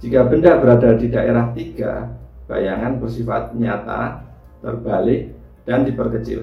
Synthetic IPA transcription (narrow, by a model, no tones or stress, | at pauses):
d͡ʒikabəndabəɾadadidaʔeɾaht̪iɡa̰b̥a̰jaŋanbərsifat̪̚ɲat̪a̰ | t̪ə̰rbalɪk̚ | d̥andipərkət͡ʃɪ̰l